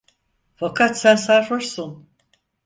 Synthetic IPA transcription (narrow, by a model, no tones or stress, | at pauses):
fakʰat̪sænsaɾfɯɾsun